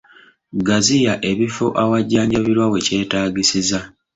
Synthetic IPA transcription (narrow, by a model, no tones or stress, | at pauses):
ɡazijaʔe̞βifoʔawaɟːaːɲɟaβiɾwawe̞ce̞ːtaːɡisiza